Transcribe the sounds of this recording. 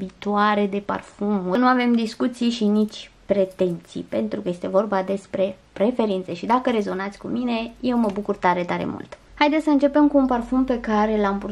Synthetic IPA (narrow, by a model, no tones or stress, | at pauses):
bit̪uaɾe̞d̪e̞pa̰rfumənuave̞md̪iskut̪sijʃinit͡ʃʲpɾe̞t̪e̞nt̪sḭpe̞nt̪ɾukəje̞st̪e̞vo̞rbad̪e̞spɾe̞pɾe̞fe̞ɾint̪seʃid̪akəɾe̞zo̞nat̪sʲkumine̞je̞wməbukurt̪aɾe̞t̪aɾe̞̰mṵlt̪ | hajd̪esəɨnt͡ʃe̞pe̞mkuːnparfumpe̞kaɾe̞lampu